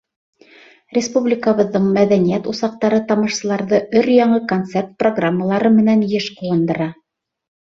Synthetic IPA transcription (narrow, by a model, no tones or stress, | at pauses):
rʲɪspublʲɪkəβɤ̆ðːɤɴmæðænijæt̪usɑq̚t̪ɑɾɤt̪ɑmɤ̆ʃsɤ̆lˠɑɾðɤʔɵɾjɑɴɤkont̪sert̪̚proɡramːəlˠɑɾɤmɘ̆nænjɘʃquwɤ̆nd̪ɤ̆ɾɑ